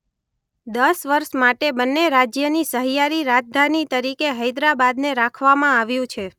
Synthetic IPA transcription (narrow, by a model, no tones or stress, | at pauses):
d̪əsʋəɾʃmaʈebənːeɾad͡ʒjənisəɦijaɾiɾad͡ʒd̪ʱanit̪əɾikeɦəjd̪ɾabad̪neɾakʰʋamãaʋjũt͡ʃʰe